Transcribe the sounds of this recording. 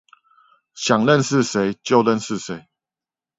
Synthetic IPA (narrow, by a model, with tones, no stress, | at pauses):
ɕja˨˩ŋlə˥˨nʂɻ̩˥˨ʂe˨˧˦ɪt͡ɕjo˥˨ʊlə˥˨nsɻ̩˥˨se˨˦ɪ